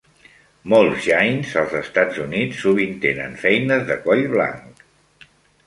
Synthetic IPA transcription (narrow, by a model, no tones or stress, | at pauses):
molˠzʒajnzəlˠzəst̪ad͡zunit͡sːuβ̞int̪enə̰nfɛjnəzðəkɔʎβla̰ŋk